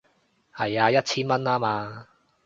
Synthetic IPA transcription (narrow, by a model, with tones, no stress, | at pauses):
hɐ˨˩jaː˧jɐ˥t̚t͡ɕʰiː˥nmɐ˥naː˥maː˧